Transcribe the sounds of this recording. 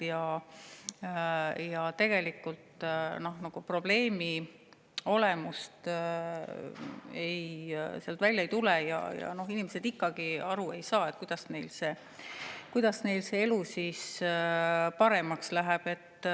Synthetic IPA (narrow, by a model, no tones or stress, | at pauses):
jɑ | jɑt̪e̞ɡ̥e̞likːult̪no̞hnɑɡ̥upro̞b̥le̞ːmi | o̞lemust̪ | ejseɑlt̪vælʲjɑejt̪ulɛjɑ̰jɑ̰no̞ɦinimese̞d̪ikːˑɑɡ̥iɑɾue̞jsɑːe̞t̪̚kujd̪̥ɑsne̞jlse̞ː | kujd̪̥ɑsne̞jlse̞elusis | pɑɾe̞mɑkslæɦæb̥e̞t̪ː